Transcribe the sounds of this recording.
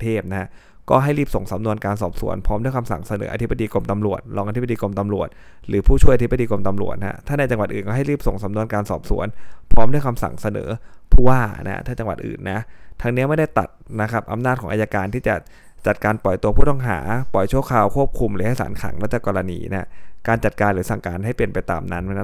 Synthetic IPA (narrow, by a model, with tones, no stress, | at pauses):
t̪ʰeː˥˩p̚na˦hʰa˦˥ | kɔː˥˩ɦa˥˩jɾiː˥˩p̚so˨˩ŋsa˩˦mnu˧ənkaː˧nsɔː˨˩p̚sṵ˩˦ənpʰɔː˦˥mdu˥˩jkʰa˧msa̰˨˩ŋsa˧nɤ̰ː˩˦ʔa˧t̪ʰi˦˥bːa˧diː˧ko˧mt̪a˧mɾu˨˩ət̪̚ɾɔː˧ŋʔat̪ʰi˦˥b̚a˧diː˧ko˧mt̪a˧mɾu˨˩ət̪̚ | ɾɯː˩˦˥pʰuː˥˩t͡ɕʰu˥˩jʔa˧t̪i˦˥ba˧diː˧ko˧mt̪a˧mɾu˨˩ət̪̚na̰˦˥t̪ʰaː˥˩na˧jt͡ɕa˧ŋwa˨˩t̪̚ʔɯː˨˩nkɔː˥˩ɦa˥˩jlɾiː˥˩p̚so˨˩ŋsa˩˦mnu˧ənkaː˧nsɔ̰ː˨˩p̚sṵ˩˦ənpʰɔː˦˥mdu˥˩jkʰa˧msa̰˨˩ŋsa˧nɤ̰ː˩˦pʰuː˥˩waː˥˩na̰˦˥t̪ʰaː˥˩t͡ɕa˧ŋwa˨˩t̪̚ʔɯ̰ː˨˩nːa˦˥t̪ʰa˧ŋni˦˥ma˥˩jda˥˩jt̪a̰˨˩t̪̚na˦˥kʰa˦˥p̚ʔa̰˧mnaː˥˩t̪̚ʰɔː˩˦ʔa˧ja˧kaː˧nt̪ʰiː˥˩t͡ɕa̰˨˩ | t͡ɕa˨˩t̪̚kaː˧npɔ˨˩jt̪u˧ɐpʰuː˥˩t̪ɔ˥˩ŋɦa̰ː˩˦pɔ˨˩jt͡ɕʰu˥˩əkʰaː˧wkʰu˥˩əp̚kʰu˧mɾɯː˨˦ha˥˩jsa̰ː˩˦nkʰa̰˨˩˦ŋlɛː˦˥˩t͡ɕa˨˩kɔː˧la˧nḭː˧na˦˥kaː˧nt͡ɕa˨˩t̪̚kaː˧nɾɯː˨˩˦sa˨˩ŋka̰ː˧nɦa˥˩jpli˨˩ənpa˧jt̪a̰ː˧mna̰˦˥n˥˦˥